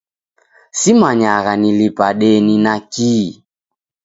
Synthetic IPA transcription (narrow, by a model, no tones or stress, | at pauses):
simaɲaɣanilipaɗɛninakiː